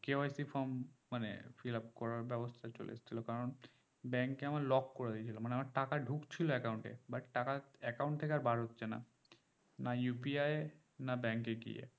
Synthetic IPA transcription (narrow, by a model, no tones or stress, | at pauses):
keoajsifʰɔmmanḛfilap̚kɔɹaɾbɛbost̪ʰat͡ɕo̰lḛa̰st͡ɕʰilokaɾon | bɛŋkːeamalɔkːoɾad̪ijt͡ɕʰilomaneamaʈakaɖʱukt͡ɕʰiloɛkawɳʈḛbaʈʈakaɛkaw̃ɳʈt̪ʰekeaɾbaɽɦot̪ːɕʰena̰ | najupiaj | nabɛŋkeɡḭjḛ